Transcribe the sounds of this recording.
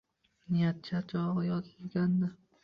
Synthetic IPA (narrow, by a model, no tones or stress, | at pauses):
nijat̪̚t͡ʃʰat͡ʃʰɒʁɑjɒzɪlɡʲand̪ɪ